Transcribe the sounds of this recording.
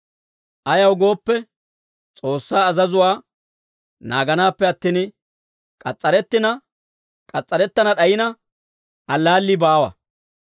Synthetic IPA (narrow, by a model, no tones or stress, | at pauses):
ʔɐjɐwɡo̞ːpːɛ | t͡sʼo̞ːsːaːzɐzʊwaː | na̰ːɡɐnaːpːɛɐt̪ːiːn | kʼɐt͡sʼːɐɾɛt̪ːɪnɐ | kʼɐt͡sʼːɐɾɛt̪ːɐnɐɗɐjɪnɐ | ɐlːaːlːɪbaːwɐ̰